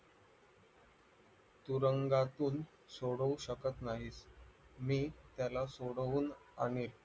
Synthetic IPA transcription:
t̪uɾəŋɡat̪uːn | soɽəʋuɕəkət̪naɦiːsmiːt̪jalasoɽuːnañel

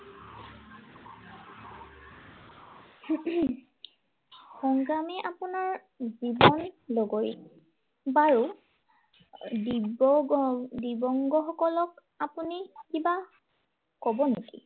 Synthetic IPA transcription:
xɔŋɡamɛʔapunaɹ | zibɔnloɡoj | baɹu | di | dibɔŋɡɔxɔkɔlɔk | apunikiba | kɔbɔnekḭ

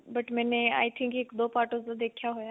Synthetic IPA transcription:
bəʈmɛːnea̰ːjt̪ʰĩŋkekd̪oːpaːɾʈosd̪ad̪eːkʰjaɦojaː

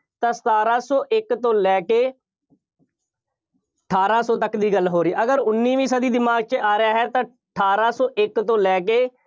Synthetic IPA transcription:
t̪ãːsə̥t̪aːɾaːsɔːʔɪkt̪õːlɛːkeː | əʈʰaːɾaːsɔːt̪əkd̪iːɡəlɦoːɾiːʔəɡəɾʊnːiːʋiːsəd̪iːd̪ɪmaːɡ̚t͡ʃəaːɾɪjaːɦɛːt̪ãːəʈʰaːɾaːsɔːʔɪkt̪õːlɛːk̬eː

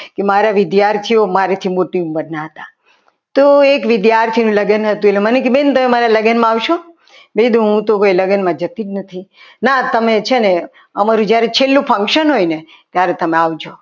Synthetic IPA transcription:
kemaɾaʋɪd̪jaɾt̪ʰiomaɾet̪ʰimoʈiumbəɾnaɦət̪a | t̪oekʋɪd̪jaɾt̪ʰinũləɡənɦət̪uelemənekibent̪əmemaɾaləɡənmãaʋʃo | bed̪ũɦũt̪okojləɡənmãd͡ʒət̪id͡ʒnət̪ʰinat̪əmet͡ʃʰene | əmaɾũd͡ʒjaɾet͡ʃʰelːũpʰə̃ŋkʃənɦojne | t̪jaɾet̪əmeaʋd͡ʒʰo

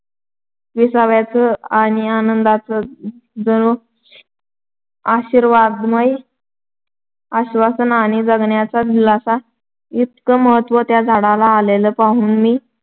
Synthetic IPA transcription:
ʋisaʋjat͡səaɽ̃ianənd̪at͡səd͡zəɽo | aɕiːɾʋad̪məj | aɕʋasənaɽ̃id͡zəɡɳjat͡sad̪ilasa | it̪̚kəməɦət̪ːʋət̪jad͡zʱaɽalaːleləpaɦuːnmiː

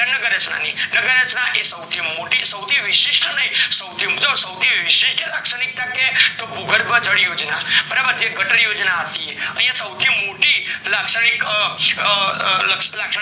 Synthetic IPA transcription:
nəkəɾet͡ʃʰna̰ninəkəɾet͡ʃnaʔesəwt̪ʰimoʈisəwt̪ʰiʋɪʃiʃʈənəĩsəwt̪ʰimud͡ʒəbsəwt̪ʰiʋɪʃɪʃʈelaksəɽ̃ik̚t̪aket̪opuɡʱəɾbãd͡ʒəɽjod͡ʒnabəɾabəd̪ʱjeɡəʈəɾjod͡ʒnaət̪ieə̰̃jãsəwt̪ʰimoʈilaksəɽ̃ik | ləkslaksə

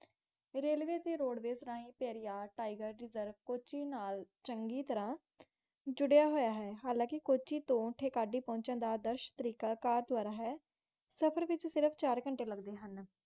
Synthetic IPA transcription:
ɾeːlʋeːt̪eːɾoːɖʋeːsɾãːɦĩːpɛːɾijaːʈaːɪɡəɾːɪzəɾʋkoːt͡ʃiːnaːlt͡ʃəŋɡiːt̪əɾãː | d͡ʒʊɽjaːɦoːjaːɦɛːɦaːlãːkɪkoːt͡ʃiːt̪õːʈʰeːkaːɖiːpɔ̃ːɲt͡ʃãːd̪aːd̪əɾʃt̪əɾiːkaːkaːɾt̪ʊaːɾaːɦɛː | səpʰəɾʋɪt͡ʃsɪɾəpʰt͡ʃaːɾkəɳʈeːləɡd̪eːɦən

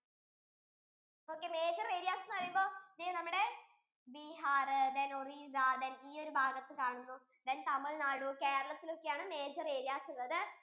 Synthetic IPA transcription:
o̞ːkːe̞ːme̞ːd͡ʑɐre̞ːɾijaːsɐnːɨɐrjumbo̞ːniːnɐmːuɽe̞ | biːɦaːrɨd̪enorizaːd̪ɐniːo̞ɾubʱaːɡɐt̪ːɨkaːɳunːuː | d̪ɐnt̪ɐmːɐɭnaːɽuoke̞ːɾɐɭɐt̪ːilo̞kːejaːɳɨme̞ːd͡ʑɐreːɾijaːsuðɐðɨ

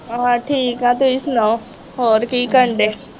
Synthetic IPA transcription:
ɦãʈʰiːkɦãːt̪oɪsna | oɾkikəɳɖe

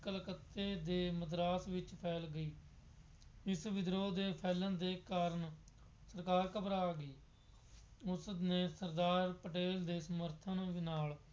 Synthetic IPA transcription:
kəlkət̪ːeːd̪eːməd̪ɾaːsʋɪt͡ʃpʰɛːlɡəiː | ɪsʋɪd̪ɾoːd̪eːpʰɛːlənd̪eːkaːɾəɳ | səɾkaːɾkəpɾaːɡəiː | ʊsneːsəɾd̪aːɾpəʈeːld̪eːsəməɾt̪ʰənʋnaːl

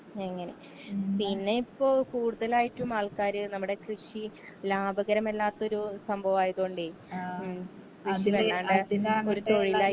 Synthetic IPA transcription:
eŋːɐne̞ | pinːe̞ipːo̞ːɭkuːɽuðɐlaːjiʈːumaːlkaːɾɨnɐmːuɽe̞krɨʂi | laːbʱɐɣɐɾɐme̞lːaːt̪ːo̞ɾusɐmbʱɐʋaːjɐðoːɳɖi | krɨʂiʋɐaːɳɖɨo̞ɾut̪o̞ɻilaː

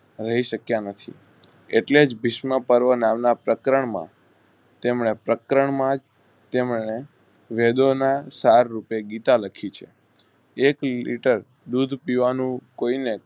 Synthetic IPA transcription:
ɾəɦiʃəkjanət̪ʰḭ | eʈled͡ʒbiʃmə̃pəɾʋənamnapɾəkɾəɳmã̰ | t̪emɳepɾəkɾəɳmãd͡ʒ | t̪emɳe | ʋed̪onasaɾːupeɡit̪aləkʰit͡ʃʰḛ | eklḭʈəɾ | d̪ud̪ʱpiʋanũkoine

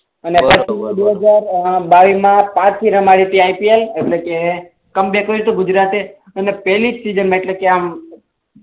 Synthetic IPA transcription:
ənepət͡ʃʰimd̪eɦəd͡ʒaɾbaʋimãpãt͡ʃt̪ʰiɾəmaɽit̪iajpieleʈleke | kəmbekoiɾit̪oɡʊd͡ʒɾat̪e | ənepɛlid͡ʒsid͡ʒənmãeʈlekeam

